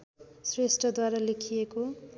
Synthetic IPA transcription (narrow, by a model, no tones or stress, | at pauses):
sresʈʌd̪waɾalekʰijeko